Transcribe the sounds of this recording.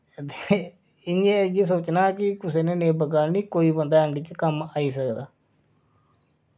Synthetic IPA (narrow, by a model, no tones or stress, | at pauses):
t̪e | ɪnẽːəjeːs̬oːt͡ʃnaːkɪkʊseːneːneːbəɡaːniːkoːiːbənd̪aːɛɳɖɪt͡ʃkəmaːiːsəkd̪aː